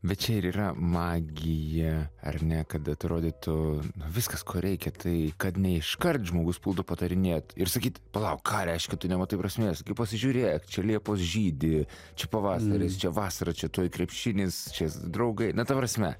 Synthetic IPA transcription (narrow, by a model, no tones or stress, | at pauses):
bʲɛt̪t͡ʃʲɛɪɾiːrɐmɑːɡʲɪjɛɐ̰rnʲɛkɐt̪ɐt̪ʲɾoːd̪ʲɪt̪ʊnʊʋʲɪskɐskʰoːɾʲʔɛɪkʲɛt̪ʰɐɪkɐt̪nʲɛɪʃkɐrt̪ʒmoːɡʊspʊlˠd̪ʊpɐt̪ɐɾʲɪnʲeːt̪ɪrsɐkʲiːt̪pɐlˠɐʊkkʰɑːɾʲɛɪʃʲkʲɛt̪ʊnʲɛmɐt̪ɐɪpɾɐsʲmʲeːsɡʲɪpɐsʲɪʒʲʊːɾʲeːjkt͡ʃʲɛlʲiɛpoːsʒʲiːd̪ʲɪ | t͡ʃʲɛpɐʋɑːsɐɾʲɪst͡ʃʲɛʋɑːsɐɾɐt͡ʃʲɛt̪oːjkɾʲɛpʲʃʲɪnʲɪst͡ʃʲɛd̪ɾɐʊɡɐɪnɐt̪ɐpɾɐsʲmʲɛ